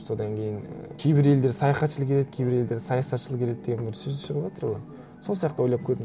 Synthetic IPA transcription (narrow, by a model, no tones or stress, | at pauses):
so̞d̪ɑŋkʲʰe̞jɪŋkʲʰejbɪɾe̞ld̪e̞ɾsɑjɑχɑt̪ʃəlˠəkeɾe̞d̪ɪ̥kʲʰejbɪɾe̞ld̪e̞ɾsɑjɑsɑt̪ʃəlˠəqeɾet̪̚ːd̪e̞ɡʲenbɪɾsɵzd̪eʃəʁəpʒɑt̪əɾʁoj | so̞lˠsijɑqt̪əwo̞jlˠɑpkʲʰɵɾpɪm